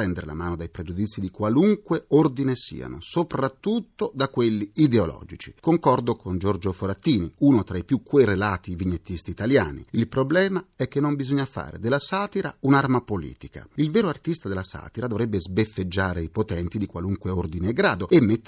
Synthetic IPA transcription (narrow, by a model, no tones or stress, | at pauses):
ɾɛnd̪eɾela̰maːnod̪ajpɾed͡ʒud̪it̪sːid̪ikwaluŋkweord̪inesḭːa̰no̰sopɾat̪ːut̪ːod̪akːwelːiid̪eolɔ̰ːd͡ʒit͡ʃi̥koŋkɔrd̪okʰond͡ʒord͡ʒofoɾat̪ːiːniunot̪ɾaipjukːwerelaːt̪iviɲːet̪ːist̪iːt̪alja̰ːnḭilpɾoblɛːmaɛk̟ːenːombizoɲːafa̰ːɾḛd̪elːasaːt̪iɾa̰unarmapolḭːt̪ika̰ilvɛːɾoart̪ist̪ad̪elːasa̰ːt̪iɾad̪ovɾɛbːezbefːed͡ʒːaːɾeipot̪ɛnt̪id̪ikwaluŋkweord̪ineːɡɾaːd̪oemːet̪ː